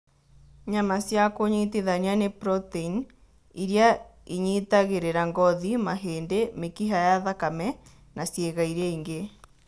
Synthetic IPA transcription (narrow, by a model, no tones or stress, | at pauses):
ɲamasjakoɲiteðaɲianepɾɔtein | iɾjaiɲitaɣeɾeɾaŋɡɔðimaɦeːndemekiɦajaðakamɛ | nasjeɣaiɾɛiŋɡe